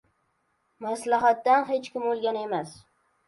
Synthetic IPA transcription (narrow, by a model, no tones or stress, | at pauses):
maslaɦat̪ːanɦet͡ʃkʲɪmolˠɡʲane̞mas